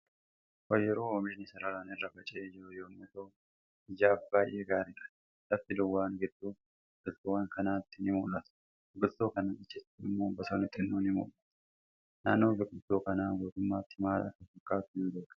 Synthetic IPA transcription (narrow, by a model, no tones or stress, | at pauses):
wɐjɛɾoːomeːnɪsɐɾɐɾaːnɪrːɐbɐt͡ʃʼɪeːd͡ʒɾʊjoːmːʊt̪oː | ɪd͡ʒaːfbaːjʔeːɡaːɾɪᶑɐ̥ | lɐft̪ɪd̪ʊwːaːnɡɛd̪ːuː | ɡʊlt̪ʊwaːŋkɐnaːt̪ːɪnɪmuːlːɐt̪ʊ̥ | bɪɡʼʊlt̪ːoːkɐnaːɪt͡ʃːɛstːɪmːoːbɐt̪oːnɪt̪ʼːɪnːuːnɪmṵːlɐt̪ | naːnːo̞ːbʊɡʼʊt̪ːoːkɐnaːmoːt̪ʊmːaːt̪ːɪmaːlɐ̰kːɐsɐkʼːaːt̪ʊhɪnd̪oːkɐ̥